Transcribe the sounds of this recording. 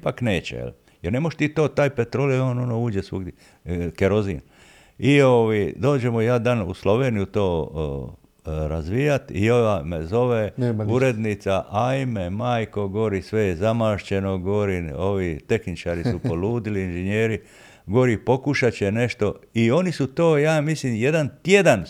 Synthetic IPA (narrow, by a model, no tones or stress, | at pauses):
pakne̞ːt͡ɕḛjḛl | jeɾne̞moʃt̪it̪oːt̪aːjpet̪ɾolioːno̞nouːd͡ʑesʋṵ | keɾo̞zḭn | ioʋajd̪o̞ːd͡ʑemoijaːd̪anṵslo̞ʋeːnijut̪o̞ː | ɾazʋijat̪ḭoʋamezo̞ʋeuɾe̞d̪nit̪saʔajmemaːjko̞ɡoʋoɾisʋe̞jezamaːʃt͡ɕe̞no̞ɡo̞ʋoɾio̞ʋit̪e̞xnit͡ʃaɾisupo̞luːd̪iliinʒeɲeːɾi | ɡoɾipo̞kuʃat͡ɕene̞ʃt̪o̞io̞nisut̪oːjaːmislimje̞d̪ant̪jed̪an